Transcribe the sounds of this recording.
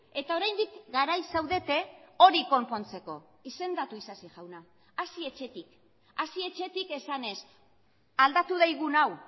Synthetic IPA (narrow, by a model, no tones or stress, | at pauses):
e̞t̪ao̞ɾajnd̪ikɡaɾajsawðe̞t̪e̞o̞ɾiko̞mpo̞nt͡se̞ko̞ | ise̞nd̪at̪uisasiʝawna | asie̞t͡ʃe̞t̪ik | asie̞t͡ʃe̞t̪ike̞sane̞s | ald̪at̪uð̞ajɣ̞unaw